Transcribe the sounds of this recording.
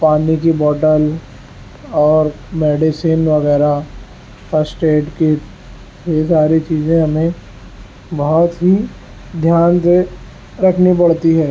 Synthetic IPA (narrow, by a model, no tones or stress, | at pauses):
paːnikibɔːʈəl | ɔːɾ | mɛːɖisiːnʋɐɣɛːɾa | fəsʈeːʈke | jesaːɾit͡ʃiːzẽɦɐmẽ | bɔɦɔt̪ɦi | d̪ʱjaːnse | ɾɐkʰnipɐɽ̤t̪iɦɛː